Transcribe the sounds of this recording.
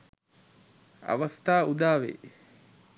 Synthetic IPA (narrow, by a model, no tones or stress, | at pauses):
ɐ̰ʋɐst̪aːud̪aːʋḛ